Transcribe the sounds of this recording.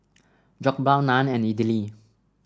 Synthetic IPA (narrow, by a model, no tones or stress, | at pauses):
d͡ʒɔk̚balnãnɛ̃nidili